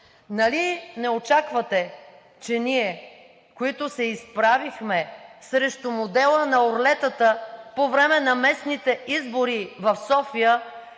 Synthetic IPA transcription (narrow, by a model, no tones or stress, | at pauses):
nɐlinɛot͡ʃakvət̪ɛ | t͡ʃɛniɛ | koit̪ʊsɛispɾavixmɛsɾɛʃt̪omod̪ɛlˠənɐoɾlɛt̪ət̪əpovɾɛmɛnɐmɛsnit̪ɛʔizboɾivɐfsɔfijə